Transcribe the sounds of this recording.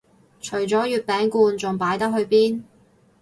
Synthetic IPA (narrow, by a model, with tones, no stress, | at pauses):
t͡ʃʰɵ˨˩ɥt͡sɔː˨˥jyː˨t̚pɛː˨˥ŋkuː˧nt͡sʊ˨ŋpaː˨˥jt̪ɐ˥k̚ɦɵ˧ɥpiː˥n